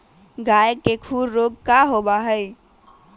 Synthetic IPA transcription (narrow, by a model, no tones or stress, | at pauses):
ɡajəkːekʰuɾːoɡ̚kaɦobaɦəj